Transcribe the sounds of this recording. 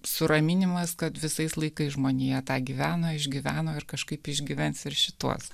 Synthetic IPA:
sʊɾɐmʲɪnʲɪmɐskɐt̪ʋʲɪsɐɪslˠɐɪkɐɪsʒmoːnʲeːjɛt̪ɑːɡʲiːʋʲæːnoːɪʒʲɡʲiʋʲæːnoːɪɾkɐʃkɐɪpɪʒʲɡʲiʋʲɛnsɪɾʃʲɪt̪ṵɔs

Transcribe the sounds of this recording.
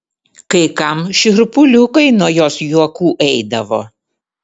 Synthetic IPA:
kɐɪkɐmʃʲɪɾpʊlʲʊkɐɪnuɔjoːsjuɔkuːʔɛɪd̪ɐʋo̰ː

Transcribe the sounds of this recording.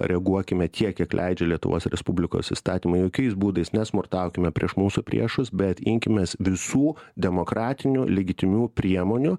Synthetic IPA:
ɾʲɛɡuɔkʲɪmʲɛt̪ʲʰiɛkjʲiɛklʲʔɛ̰ɪd͡ʒʲɛlʲiɛt̪ʊ̰ʋo̰ːsɾʲɛ̰spʊbʲlʲɪko̰ːsḭst̪ɑːt̪ʲiːmɐɪjoːkʲɛɪsbuːd̪ɐɪsnʲɛsmʊrt̪ɑˑʊkʲɪmʲɛpʲɾʲiɛʃmuːsʊpʲɾʲḭɛʃʊsbʲɛt̪ɪŋʲkʲɪmʲɛːsʋʲɪsuːd̪ʲɛmoːkɾɑːt̪ʲɪnʲʊlʲɛɡʲɪt̪ʲɪmʲuːpʲɾʲiɛmoːnʲʊ

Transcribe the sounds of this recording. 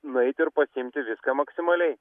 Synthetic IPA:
nʊɛɪt̪ʲɪɾpɐsʲɪɪmʲt̪ʲɪʋʲɪskaːmɐksʲɪmɐlʲɛɪ

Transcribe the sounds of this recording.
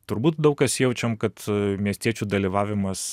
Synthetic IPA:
t̪ʊɾbuːt̪̚d̪ɐʊkɐsjɛʊt͡ʃʲɛmkɐt̪mʲiɛsʲt̪ʲiɛt͡ʃʲud̪ɐlʲiʋɑːʋʲɪmɐs

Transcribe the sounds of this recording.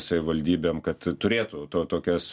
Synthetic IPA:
sɐʋʲɪʋɐlʲd̪ʲiːbʲeːmkɐt̪t̪ʊɾʲeːt̪ʊt̪oːt̪oːkʲɛs

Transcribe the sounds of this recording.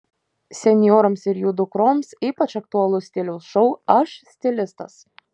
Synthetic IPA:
sʲɛnʲjoːɾɐmsɪɾjud̪ʊkɾomsiːpɐt͡ʃɐk̚t̪ʊɐlˠʊsʲt̪ʲɪlʲɛʊsʃɔʊɐʃsʲt̪ʲɪlʲɪst̪ɐs

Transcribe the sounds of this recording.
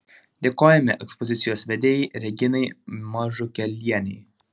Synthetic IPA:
d̪ʲeːkoːjɛmʲɛʔɛkspɔzʲɪt̪sʲɪjoːsʋʲɛd̪ʲeːjɛɪɾʲɛɡʲɪnɐɪmɑʒʊkʲɛlʲiɛnʲɛɪ

